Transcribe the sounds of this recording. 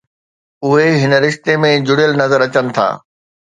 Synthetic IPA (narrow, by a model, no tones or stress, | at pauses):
ʊɦeɦɪnə̆ɾɪʃt̪emẽd͡ʑʊɽijəlnɐzəɾɐt͡ɕənɪ̆t̪ʰa̰ː